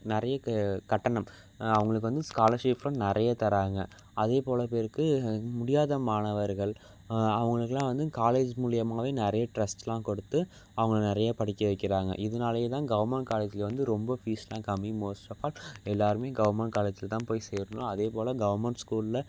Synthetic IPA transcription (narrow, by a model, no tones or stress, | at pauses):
nɪɾɐjɐkɐʈːɐɳɐm | ɐʋɐŋɡɐɭɯk̬ːɯʋɐnd̪ɯskaːlɐɾʂeːplʊ̃nɪɾɐjɐt̪ɐɾaːŋɡɐ̰ | ɐðeːpoːlɐpeːɾkːɯmʊɽɪjaːðɐmaːɳɐʋɐɾɣɐɭ | ɐʋɐŋɡɐɭɯkːɐlːãːʋɐnd̪ɯkaːleːd͡ʒmʊɭɪjɐmaːʋeːnɪɾɐjɐʈɾɐsʈlãːkɔɽɯt̪ːɯ | ɐʋɐŋɡɐɭnɪɾɐjɐpɐɽɪkːɐʋɐɪkːɪɾaːŋɡɐ̰ʔɪðɐnaːlɐjeːt̪ãːɡɐʋɐɾmɛɳʈkaːleːd͡ʒɪlʋɐnd̪ɯɾɔmbɐfiːslãːkɐmːimoːsʈɐfaːlɛlːaːɾɯmeːɡɐʋɐɾmɛɳʈ̚kaːleːd͡ʒɪlɐt̪ãːpoːjsɛːɾɯnõɐðeːpoːlɐɡɐʋɐɾmɛɳʈskuːlɪlɐ